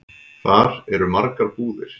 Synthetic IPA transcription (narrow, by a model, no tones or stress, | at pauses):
θaɾɛɾʏmaɾkaɾpuːðɪɾ̥